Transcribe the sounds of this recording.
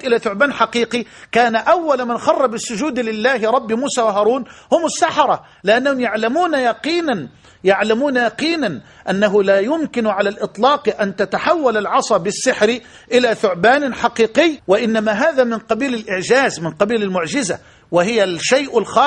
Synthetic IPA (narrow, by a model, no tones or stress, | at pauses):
t̪ʔɪlaθʊʕbaːnħɑqiːqikaːnaʔawːalmanxɑrˤːɑbɪsːʊd͡ʒuːd̪lɪlːaːhɾˤɑbːmuːsaːwaɦɑːɾˤuːnhʊmɪsːɑħɑɾˤɑ | lɪʔanːahʊmjaʕlamuːnajɑqiːnan | jaʕlamuːnajɑqiːnan | ʔanːaɦʊlaːjʊmkɪnʕalalʔɪt̪ˤlɑːqʔant̪at̪aħawːalalʕɑsˤɑbɪsːɪħɾɪ | ʔɪlaθʊʕbaːnħɑqiːqɪjːwɪʔɪnːamaɦaːðamɪnqɑbiːlɪlʔɪʕd͡ʒaːzmɪnqɑbiːlalmʊʕd͡ʒɪza̰ | wɪhɪjalʃajʔɪlxɑː